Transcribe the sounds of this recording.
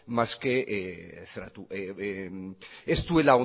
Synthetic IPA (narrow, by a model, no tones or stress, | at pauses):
maskeʔseɾa̰t̪uʔe | est̪ue̞lao